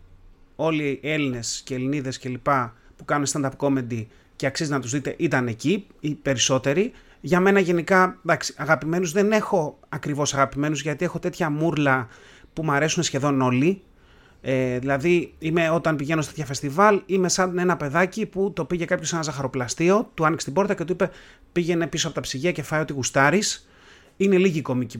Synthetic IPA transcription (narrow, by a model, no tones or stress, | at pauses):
o̞lie̞line̞sceːliniðe̞sce̞lipɐpukɐnunest̪ɐnd̪ɐɾpko̞me̞nd̪i | ce̞ɐksizinɐt̪uzðit̪e̞̰ʔit̪ɐneciipe̞ɾiso̞t̪e̞ɾi | ʝɐme̞nɐʝe̞nikɐðɐksi̥ɐɣɐpime̞nuzðe̞ne̞xo̞ɐkɾivo̞sɐɣɐpime̞nuzʝɐt̪ie̞xo̞t̪e̞t̪çɐmuɾlɐ | pumɐɾe̞sunesçe̞ðo̞no̞li | eðilɐðiime̞o̞t̪ɐnpiʝe̞nost̪t̪çɐfe̞st̪ivɐlime̞sɐnd̪nenɐpe̞ðɐciput̪o̞piʝe̞kɐpçose̞nɐzɐxɐɾo̞plɐst̪io̞t̪uɐnikst̪ibo̞ɾt̪ɐce̞t̪uipe̞ | piʝe̞ne̞pisoɐpo̞t̪ɐpsiʝiɐce̞fɐjo̞t̪iɣust̪ɐɾis | ine̞liʝiko̞mici